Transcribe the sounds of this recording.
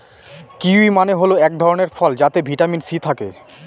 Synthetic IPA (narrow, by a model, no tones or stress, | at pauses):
kiimaneɦoloɛk̚d̪ʱɔɾoneɾfɔld͡ʑat̪ebʱiʈaminsit̪ʰakḛ